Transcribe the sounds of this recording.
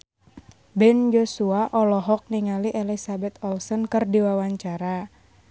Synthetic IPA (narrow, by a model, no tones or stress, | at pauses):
bɛnd͡ʒosuaʔɔlɔɦɔk̚niŋaliʔelisabɛt̪̚ɔlsɔnkɨrdiwawaɲt͡ʃaɾa